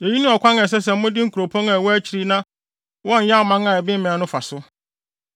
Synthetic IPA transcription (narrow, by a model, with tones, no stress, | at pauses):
e˨ji˦nʊ̃˦ɔ˨kʷʰã˦ŋɛ̃˨s̬ɛ˦s̬ɛ˨m̩˦mʊ̃˦dɪ˦ŋ̩˦kʰu˨ɾo˨pʰɔ̃˦ŋa˨wɔ˦æ˦t͡ɕʰi˨ɾi˦nã˦ | wɔ˦˨ɲ̩˨ɲã˦˨mã˦ŋa˨ɛ˨bɪ̃˦m˦mɪ̃˨a˨˦nʊ̃˦fa˨sʊ˦